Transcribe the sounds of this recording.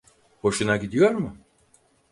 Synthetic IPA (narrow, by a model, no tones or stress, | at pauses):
ho̞ʃunaɟid̪ijo̞ɾmʊ